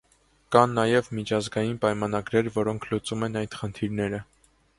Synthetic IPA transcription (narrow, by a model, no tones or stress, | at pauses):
kɑnːɑjɛvmit͡ʃʰɑzɡɑjinpɑjmɑnɑɡɾɛɾvɔɾɔŋkʰlut͡sumɛnɑjd̪χənt̪ʰiɾnɛɾə